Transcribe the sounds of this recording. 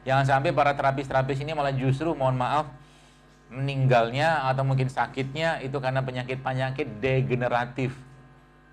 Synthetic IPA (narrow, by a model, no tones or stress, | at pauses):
jaŋs̬ampapaɾat̪əɾapɪst̪əɾapɪs̬inimalahd͡ʒus̬t̪ɾumaɔnmaʔaf | məniŋɡalɲaːt̪awmuŋk̬ɪnsakɪt̪̚ɲait̪ukanap̬əɲakɪt̪̚paɲakɪt̪̚deɡənəɾat̪ɪf